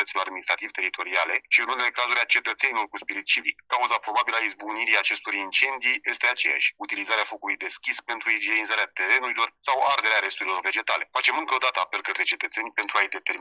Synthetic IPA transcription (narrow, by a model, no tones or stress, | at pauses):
ət̪siloɾad̪minist̪ɾat̪iv̥t̪e̞ɾit̪o̞ɾiale̞ʃiɨnune̞le̞kazuɾʲat͡ʃe̞t̪ət̪se̞nilo̞rkuspiɾit̪̚t͡ʃivikkːauzapɾo̞babilaizbuniɾiat͡ʃe̞st̪o̞ɾint͡ʃe̞nd̪ije̞st̪e̞at͡ʃe̞̰ja̰ʃʲut̪ilizaɾeafo̞kulujd̪e̞skʲispe̞nt̪ɾuid͡ʒenizaɾeat̪e̞ɾe̞nuɾilo̞rsaward̪e̞ɾeaɾe̞st̪uɾilo̞rve̞d͡ʒe̞t̪ale̞fat͡ʃe̞mɨŋkəod̪at̪əape̞lkət̪ɾe̞t͡ʃe̞t̪ət̪se̞nʲpe̞nt̪ɾuajd̪e̞t̪e̞ɾm